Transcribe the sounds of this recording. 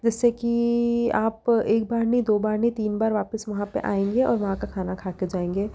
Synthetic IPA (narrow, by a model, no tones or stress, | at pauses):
d͡ʒɪsːekiaːpeːk̚baːɾnĩd̪oːbaːɾnĩt̪iːnbaːɾʋaːpəsʋɐɦãpḛʔa̰ːẽːŋɡeʔɔ̰ːɾʋɐɦãkakʰaːnakʰaːked͡ʒaːẽːŋɡeː